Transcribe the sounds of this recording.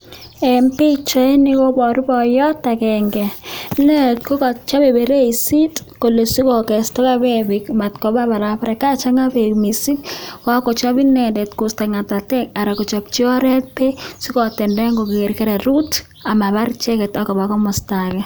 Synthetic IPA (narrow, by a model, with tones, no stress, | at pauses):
ɛ˨mpɪ˦t͡ʃɔ˦e˦nɪ˦kɔ˦bɔ˨ɾu˦bɔ˨jɔ˦ta˨kɛ˨ŋɡɛ˨nɛ˦tkɔ˦kɔ˨t͡ʃa˦be˨be˨ɾe˦i˨si˦tko˨lo˨si˦kɔ˨kɛ˨stɔ˦ka˦bɛ˦bɪ˨kma˨tkɔ˨˦ba˦ba˨ɾa˨pa˦ɾɛ˨ka˦t͡ʃa˦ŋa˦bemi˨si˦kka˦kɔ˨t͡ʃɔ˦bi˦nɛ˨dɛ˨tkʊ˨sta˨ŋa˨ta˨tɛ˦ka˨ɾa˨kɔ˨t͡ʃɔ˨p̚t͡ʃi˦ɔ˦ɾɛ˦t̚pe˦si˦kɔ˨tɛ˨ndɛ˦ŋɡo˨ke˨ɾke˦ɾe˨ɾu˦t | a˨ma˨ba˦ɾt͡ʃɛ˦kɛ˨ta˦kɔ˨ba˨kɔ˦mɔ˨stakɛ˦